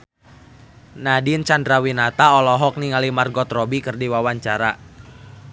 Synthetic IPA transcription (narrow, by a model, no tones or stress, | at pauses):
nadint͡ʃandɾawinat̪aɔlɔɦɔk̚niŋalimarɡɔt̪rɔbikɨrdiwawaɲt͡ʃaɾa